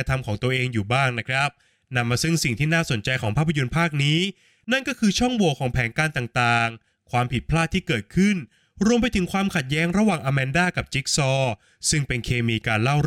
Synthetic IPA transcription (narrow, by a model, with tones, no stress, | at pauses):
t̪ʰa˧mkʰɔː˩˦ŋt̪u˧ɐʔeː˧ŋjuː˨˩baː˥˩ŋna˦˥kʰɾa˦˥p̚ | na˧mːaː˧sɯ˥˩ŋsi˨˩ŋt̪ʰiː˥˩naː˥˩so˩˦nt͡ɕa˧jkʰɔː˩˦ŋpʰaː˥˩pʰːa˧jo˧npʰaː˥˩k̚niː˦˥ | na˥˩nkɔː˥˩kʰɯː˧t͡ɕʰɔ˥˩ŋwo˧˩kʰɔː˩˦ŋpʰɛː˩˦nkaː˧nt̪aː˨˩ŋt̪aː˨˩ŋ | kʰwaː˧mpʰi˨˩t̪̚pʰlaː˥˩t̪ʰːiː˥˩kɤː˨˩t̪̚kʰɯ˥˩n | ɾu˧əmpa˧jt̪ʰɯ˩˦ŋkʰwaː˧mkʰa˨˩t̪̚jɛː˦˥ŋɾa˧waː˨˩ŋʔaː˧mɛː˧ndaː˥˩ka˨˩p̚t͡ɕi˦˥k̚sɔː˥˩ | sɯ˥˩ŋpe˧nkʰeː˧miː˧kaː˧nla˥˩w